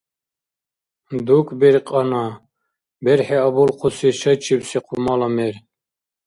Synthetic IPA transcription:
d̪ukʰbiɾqʼɑna | bɛɾħiabulqʰusiʃɐt͡ʃʰibsiqʰumɑlɑmɛɾ

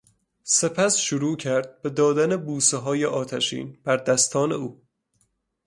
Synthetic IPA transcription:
se̞pʰæsʃuɾuːcʰæɾd̪̚be̞d̪ɒːd̪ænebuːseɦɒːjeʔɒːt̪ʰæʃḭːnb̥æɾd̪æst̪ʰɒːnḛuː

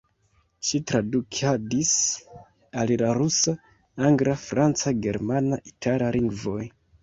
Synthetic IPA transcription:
ʃitɾadukʰadis | alilaɾusa | aŋɡɾafɾant͡saɡe̞ɾmanaʔitʰalaliŋɡvo̞j

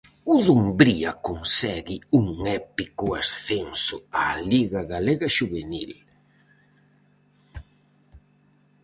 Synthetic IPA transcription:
uðumbɾiɐkonsɛɣɪuŋɛpikʊasθensʊaliɣaɣaleɣaʃuβenḭl

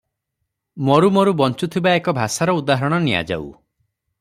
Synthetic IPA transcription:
mɔɾumɔɾubɔnt͡ʃut̪ʰibaekɔbʱasaɾɔud̪aɦɔɾɔɽ̃ɔnija̰d͡ʒa̰ṵ

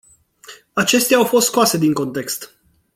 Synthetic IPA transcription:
at͡ʃe̞st̪eaawfost̪skoase̞d̪iŋko̞nt̪e̞kst̪

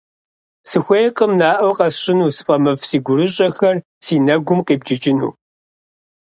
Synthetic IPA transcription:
sɨxʷejqʼəmnaːʔɐwqɐsɕʼɪnuːsɨ̥fʼɐmɐvsiːɡʷʊɾɨɕʼɐxɐr | siːnɐɡʷʊmqiːbd͡ʒɪt͡ʃʼɪnṵː

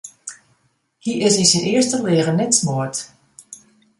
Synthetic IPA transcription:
hiʔɪsisənɪəstəlɪəɣənɛtsmoət

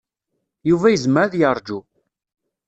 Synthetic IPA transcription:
juvæjəzməɾðjəɾˤd͡ʒu

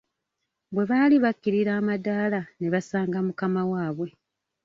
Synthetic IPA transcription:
bwe̞βaːliβakːiɾiɾaːmadaːlane̞βasaːŋɡamukamawaːβwe̞

